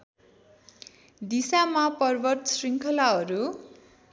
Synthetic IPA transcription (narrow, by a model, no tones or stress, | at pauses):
d̪isamapʌrbʌrt̪sriŋkʰʌlaɦʌɾu